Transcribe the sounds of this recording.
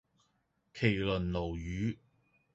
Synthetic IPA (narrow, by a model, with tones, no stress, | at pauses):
kʰe˨˩jlɵ˨˩nlo˨˩wjyː˨˥